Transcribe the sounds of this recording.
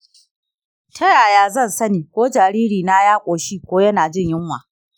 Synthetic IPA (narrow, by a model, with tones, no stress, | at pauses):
tʰɐ˦jaː˨jaː˦zɐ˦˨nsɐ˦niː˨kʷoː˦d͡ʒaː˨ɾiː˦ɾiː˨na˦jaː˦kʷʼoː˨ʃiː˦kʷoː˦jɐ˦naː˨d͡ʒɪ˦˨ɲjɪ˦ŋwa̰ː˨